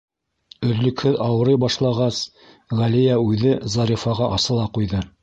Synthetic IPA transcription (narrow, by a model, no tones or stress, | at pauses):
ɵ̆ðlɵ̆khɵðɑwɤ̆ɾɤjbɑʃlˠɑʁɑs | ʁælijæʉðɘzɑɾʲifɑʁɑʔɑsɤ̆lˠɑqujðɤ